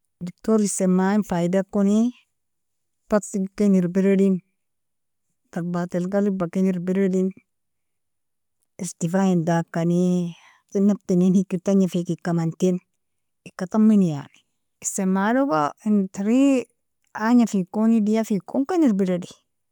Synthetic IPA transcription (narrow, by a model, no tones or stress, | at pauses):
dik̚toɾisemːaːinfaidakːoni | pasikeniɾbiɾedin | faɾbatelɡalibakeniɾbiɾedin | istifajindakːani | tinːaptininikːitaɲafekikːamantin | ikːat̪amːinja̰ni̥ | isemːalokaintiɾi | aɲafikonidijafikoŋkaniɾbiɾedi